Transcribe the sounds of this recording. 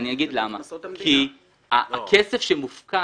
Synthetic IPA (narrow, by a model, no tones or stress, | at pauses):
niaɡid̪lamakʰi | aakʰesefʃemufka